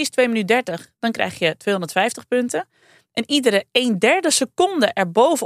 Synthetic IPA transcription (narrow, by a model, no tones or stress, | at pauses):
stʋeːmənydɛɹtəxd̥ɔnkrɛ̰jxjətʋeːɦõɔndətfɛjftəxpøntə | ʔɛnidəɾəeːndɛɹdəsəkondəʔɛɹbowvə